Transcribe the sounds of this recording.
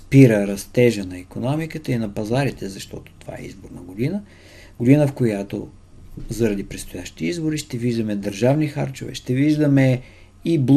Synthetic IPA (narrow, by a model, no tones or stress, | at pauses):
spiɾəɾɐst̪ɛʒənɐikonɔmikət̪əinɐpɐzaɾit̪ɛzɐʃt̪ɔ̰t̪o̥t̪ova̰ɛ̰ḭzboɾnəɡod̪inə | ɡod̪inəfkojat̪o̰ | zɐɾɐd̪ipɾɛt̪st̪ʊjaʃt̪i̥t̪iizboɾiʃt̪ɛviʒd̪əmɛd̪əɾʒavnixa̰ɾt͡ʃo̰vɛ̰ʃt̪ɛviʒd̪əmɛ | ibl